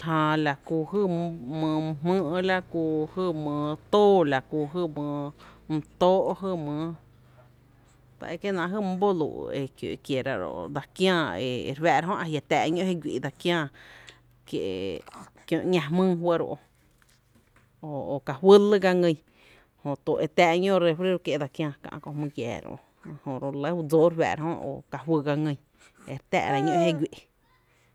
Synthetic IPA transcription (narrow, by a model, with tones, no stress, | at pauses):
hã˧la˨kuː˧˨hɨ˧mə̃ː˧mɨ̃ː˦ʔla˦kuː˧hɨ˦˧mə̃ː˧t̪oː˦la˨ku˧˨ɦɨ˧mə̃ː˧m̩˧t̪oː˦ʔɦɨ˧mə̃ː˨˧˦ | t̪a̰˧˨e˧˨ke˦nã˧˨ɦɨ˦m˦bo˦lṵ˧˨ʔe˨kjo̰˨˧kje˨ɾa̰˧ɾo̰˧˨ʔd̪a˧kjãː˧˨ḛ˨˧ɾwɛː˧˨ɾa˧ɦõ˦ʔa˨hja˧t̪ɛː˧˨˧ɲõ˦he˦˧ɡʷi˧ʔd̪a˧kjãː˧ | kje˧˨ | kjõ˧ʔɲã˧mɨ̃ː˦ɦwə˦ɾo̰˧ʔo˧ | o˨o˨ka˨wə˦lɨ˦ɡa˧ŋə̃˧j | hõ˨t̪o˨ʔe˧t̪ɛː˧ʔɲõ˦ɾe˧fɾe˦ɾo˧kje˧d̪a˧kjãː˧kã̰˧kõ˧hmɨ̃˧kjɛ̰ː˨ɾo̰˧ʔ | hõ˨ʔɾo˧le˦hu˧˦d͡zoː˦ɾwɛ̰ː˧˨ɾa˧hõ˦o̰˨ka˨ɦwɨ˧ɡa˧ŋə̃˧˨ | e˧ɾt̪ɛ̰ː˧ʔɾa˧ɲõ˦ʔhe˦ɡʷi˨ʔ